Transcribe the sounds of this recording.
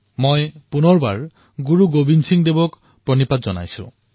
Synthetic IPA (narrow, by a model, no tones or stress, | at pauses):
mojpunɔɹba̰ɹ | ɡuɹuɡobinsiŋd̪ebɔk | pɹɔnipat̪zɔna̰jsṵ̃